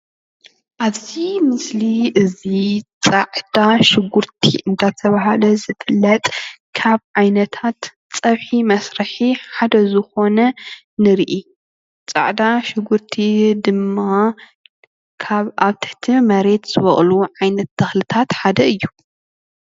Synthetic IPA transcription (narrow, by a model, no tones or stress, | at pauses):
ʔaβzimɨsliʔɨzit͡sʼaʕd̪aʃɪɡuɾt̪ʰḭʔɨnd̪at̪ʰɐβaɦalɐzɨfɨlːɐt̪ʼkʰaβʕajnɐt̪ʰat̪ | t͡sʼɐβħimɐsɾɐħiħad̪ɐzɨxo̞nɐ | nɨɾʔi | t͡sʼa̰ʕd̪aʃɪɡuɾt̪ʰid̪ɨmːa | kʰaβaβt̪ʰɨ̥ħt̪ʰimɐɾe̞t̪z̥ɨβɐχʼluʕajnɐt̪̚ːɐxlɨt̪ʰat̪ħad̪ɐɨjːu